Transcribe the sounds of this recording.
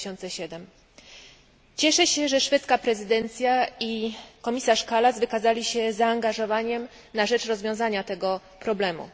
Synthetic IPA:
ɔnt̪sɛɕɛd̪ɛm | t͡ɕɛʂɛɕɛʐɛʂfɛt̪skapɾɛzɘd̪ɛnt̪sʲjaikɔmʲisaʂkalazvɘkazalʲiɕɛzaːŋɡaʐɔvaɲɛm | naʐɛt͡ʂɾɔzvʲjɔ̃w̃zaɲat̪ɛɡɔ | pɾɔblɛmṵ

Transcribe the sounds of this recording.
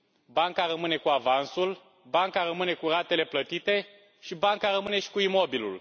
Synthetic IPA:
baŋkaɾəmɨne̞kuavansul | baŋkaɾəmɨne̞kurat̪e̞le̞plət̪it̪e̞ | ʃibaŋkaɾəmɨne̞ʃi̥kuimo̞bilṵl

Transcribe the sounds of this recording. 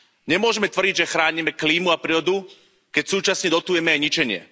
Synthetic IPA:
ɲɛmʊɔʒɛmɛt̪ʋr̩ɟiɟʒɛxɾaːɲimɛkliːmuapɾiɔd̪u | kɛcsuːt͡ʃasɲɛd̪ɔt̪uːjɛmɛajɲit͡ʃɛɲɪɛ̰

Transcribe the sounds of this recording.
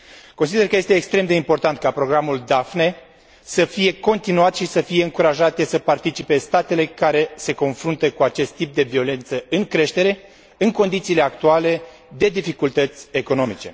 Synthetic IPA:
kons̬id̪e̞rkəjest̪e̞ːkst̪ɾemd̪e̞impo̞rt̪ant̪̚kapɾo̞ɡɾamuld̪afne | səfije̞ko̞nt̪inuat̪ʃisəfijeɨŋkuɾaʒat̪e̞səpart̪it͡ʃipe̞st̪at̪e̞le̞kaɾe̞se̞ko̞nfɾunt̪əkuat͡ʃe̞st̪ːip̚d̪e̞vio̞le̞nt̪səɨŋkɾe̞ʃt̪e̞ɾe̞ | ɨŋko̞nd̪it̪sile̞akt̪uale̞ | d̪e̞d̪ifikult̪ət̪sʲe̞ko̞no̞mit͡ʃe̞̰

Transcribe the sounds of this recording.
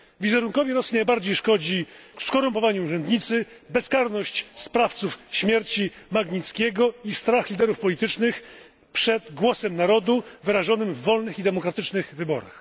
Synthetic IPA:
vʲizɛɾuŋkɔvʲɛɾɔsinajbaɾd͡ʑejʂkɔd͡ʑikskɔɾumpɔvaɲuːʐɛnd̪ɲit̪sɘ | bɛskaɾnɔɕt͡ɕspɾaft̪sufɕmʲjɛɾt͡ɕimaɡɲit̪skʲɛɡɔist̪ɾaxlʲid̪ɛɾufpɔlʲit̪ɘt͡ʂnɘx | pʂɛd̪ɡwɔsɛmnaɾɔd̪uvɘɾaʐɔnɘmvːɔlnɘxid̪ɛmɔkɾat̪ɘt͡ʂnɘxvɘbɔ̰ɾa̰x

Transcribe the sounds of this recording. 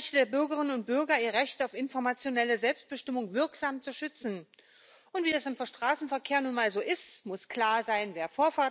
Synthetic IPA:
ɛçtədeːɐbʏɐɡəʁɪnənʊnt̚b̥ʏɐɡɐiːʁəʁɛçtaʊfɪnfɔɐmat͡sjonɛləzɛlpst̚b̥əʃtɪmʊŋvɪɐkz̥aːmt͡suʃʏt͡sn̩ | ʔʊntv̥iːdasɪmfoɐʃtʁ̥aːsn̩fɛɐkʰeːɐnuːnmaːlzoːʔɪstmʊskl̥aːɐzaɪnveːɐfoːɐfaɐ

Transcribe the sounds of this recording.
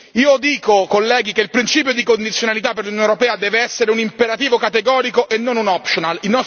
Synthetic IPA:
iːod̪iːkokolːɛːɡikeilpɾint͡ʃiːpjod̪ikond̪it̪sjonalit̪apːerlunjoneʊɾopɛːad̪ɛːveɛsːeɾeunimpeɾat̪iːvokat̪eɡɔːɾikoʔenːonunɔpʃonalinɔ

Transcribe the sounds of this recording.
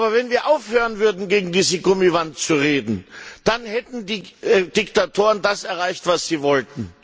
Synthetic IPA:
ʔabɐvɛnviːɐʔaʊfhøːʁənvʏɐdn̩ɡeːɡŋ̩diːzəɡʊmivantt͡suʁeːdn̩d̥anhɛtn̩diːd̥ɪktatʰoːʁəndasɛɐʁaɪçtv̥asz̥iːvɔltn̩

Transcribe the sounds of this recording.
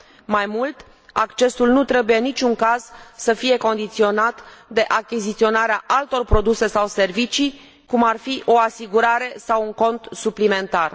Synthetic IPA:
majmult̪ | a̰kt͡ʃe̞sulnut̪ɾe̞bujenːit͡ʃʲuŋkaz̥səfije̞ko̞nd̪it̪sio̞nat̪d̪e̞ʔakʲizit̪sio̞naɾeaʔalt̪o̞rpɾo̞d̪use̞sawse̞rvit͡ʃi | kumarfiʔo̞asiɡuɾaɾe̞sawuŋko̞nt̪suplime̞nt̪ar

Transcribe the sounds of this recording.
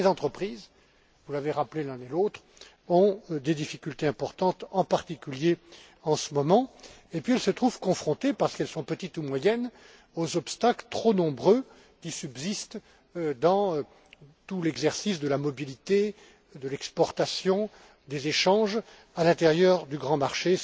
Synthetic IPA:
lezɑ̃t̪χəpχiz | vulaveʁaplelɛ̃nelot̪χ | ɔ̃d̪ed̪ifikʲylt̪eɛ̃pɔʁt̪ɑ̃t̪ɑ̃paʁt̪ikʲylje | ɑ̃səmɔmɑ̃ | epɥiɛlsət̪χuv̥kɔ̃fχɔ̃t̪epaʁsə̥kɛlsɔ̃pət̪it̪umwajɛn | ozɔpst̪aklət̪χonɔ̃bʁø | kʲisybzist̪ | d̪ɑ̃ | t̪ulɛɡzɛʁsisd̪əlamɔbilit̪e | d̪əlɛkspɔʁt̪asjɔ̃ | d̪ezeʃɑ̃ʒ | alɛ̃t̪eʁjœʁd̪yɡʁɑ̃maʁʃe

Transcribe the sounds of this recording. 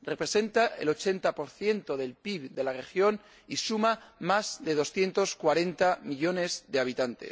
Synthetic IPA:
re̞pɾe̞se̞nt̪aʔe̞̰lo̞t͡ʃe̞nt̪apo̞ɾθje̞nt̪o̞ðe̞lpiβd̪e̞lare̞xjo̞n | isumamazðe̞ð̞o̞sθje̞nt̪o̞skwaɾe̞nt̪amiʎo̞ne̞zðeaβ̞it̪ant̪e̞̰

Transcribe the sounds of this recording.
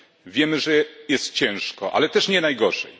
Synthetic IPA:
vʲjɛmɘʐɛjɛst̪t͡ɕɛ̃w̃ʂkɔʔa̰lɛt̪ɛʂɲɛnajɡɔʐɛ̰j

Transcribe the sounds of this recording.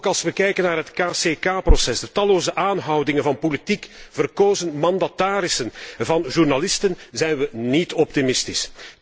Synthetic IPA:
kɑlˠsʋəkɛjkənːaːrɦətkaːseːkaːprɔsɛsdətɑloːzəʔaːnɦɑwdɪŋənvɑnpolitikv̥ərkoːzənmɑnd̪ataːɾɪsənvɑnʒurnalɪstənzɛjnʋənitɔp̚timɪstɪs

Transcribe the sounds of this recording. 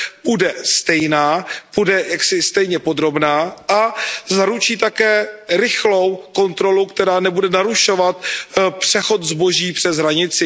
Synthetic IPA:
budɛst̪ɛjnaːb̥udɛjaksɪst̪ɛjɲɛpo̞d̪ɾo̞bnaːʔazaɾut͡ʃiːt̪akɛːɾɪxlo̞wko̞nt̪ɾo̞lukt̪ɛɾaːnɛbudɛnaɾuʃo̞vat̪pr̥ɛxo̞t̪zboʒiːpr̥ɛzɦɾaɲɪt͡sɪ

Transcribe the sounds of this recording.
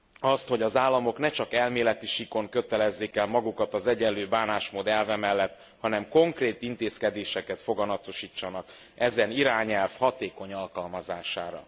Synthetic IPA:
ɒst̪ho̞ɟɒzaːlːɒmo̞knɛt͡ʃɒkɛlmeːlɛt̪iʃiko̞ŋkøt̪ɛlɛzːeːkɛlmɒɡukɒt̪ɒzɛɟɛlːøːbaːnaːʃmod̪ɛlvɛmɛlːɛt̪ː | hɒnɛmko̞ŋkreːt̪int̪eːskɛd̪eːʃɛkɛt̪fo̞ɡɒnɒt̪o̞ʃiːt͡ʃːɒnɒk | ɛzɛniɾaːɲɛlfhɒt̪eːko̞ɲɒlkɒlmɒzaːʃa̰ːɾɒ̰

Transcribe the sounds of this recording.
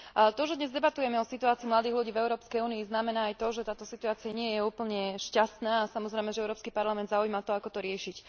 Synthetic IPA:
t̪ɔʒɛd̪ɲɛzd̪ɛbat̪ujɛmɛɔsit̪uaːt͡siːmlad̪iːɦluɟiːvɛʊɾɔːpskɛjuːniiznamɛnaːajt̪ɔʒɛt̪aːt̪ɔsit̪uaːt͡siaɲɪɛjɛuːpl̩ɲɛʃcast̪naːasamɔzɾɛɪjmɛʒɛɛʊɾɔːpskipaɾlamɛnd̪zaujmat̪ɔakɔt̪ɔɾɪɛʃic

